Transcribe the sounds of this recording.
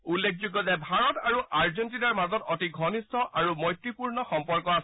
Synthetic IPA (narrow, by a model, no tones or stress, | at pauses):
ulːekʰzuɡɔzɛbʱaɹɔtaɹuʔʔaɹzɔntinaɹmazɔtɔtiɡʱɔnistʰɔʔaɹumɔjtɹipuɹnɔxɔmpɔɹkɔas